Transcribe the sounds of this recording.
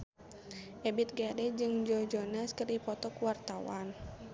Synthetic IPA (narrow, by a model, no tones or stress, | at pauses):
ʔɛbɪt̪̚ɡadɛd͡ʒɨŋd͡ʒɔd͡ʒɔnaskərdipɔt̪ɔkuwart̪awa̰n